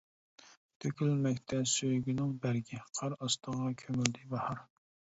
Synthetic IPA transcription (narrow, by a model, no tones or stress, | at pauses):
t̪ʰøkʲylmɛkʲt̪ʰɛsøjɡʲinɪŋbæɾɡʲiqʰɑɾɑst̪əʁɑkʲʰømyld̪ɪbɑhɑɾ